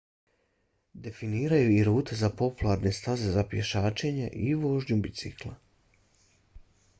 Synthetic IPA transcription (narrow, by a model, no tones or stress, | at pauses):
d̪e̞finiːɾajuiɾuːt̪ezapo̞pulˠaɾne̞st̪aze̞zapje̞ʃaːt͡ʃe̞ɲḛʔiʋo̞ʒɲubit̪sḭklˠa̰